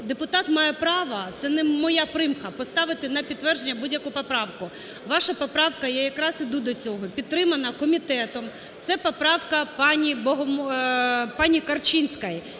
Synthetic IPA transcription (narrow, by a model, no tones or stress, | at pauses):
d̪epʊt̪ɑt̪mɑjɛpɾɑʋɐt̪sɛnɛmɔjapɾɪmxɐpɔst̪ɑʋɪt̪ɪnɐpʲid̪ːʋɛrʒenʲːɐbudʲjɐkujpɔpɾɑwkʊ | ʋɑʃɐpɔpɾɑwkɐjɛjɐkɾɑsɪd̪ud̪ɔt͡sʲɔɦɔpʲidt̪ːɾɪmɐnɐkɔmʲit̪ɛt̪ɔm | t̪sɛpɔpɾɑwkɐpɑnʲibɔɦɔm | pɑnʲikɐrt͡ʃinʲsʲkaj